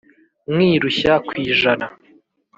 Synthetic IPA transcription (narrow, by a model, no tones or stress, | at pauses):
mwiːɾuçakwiːʒana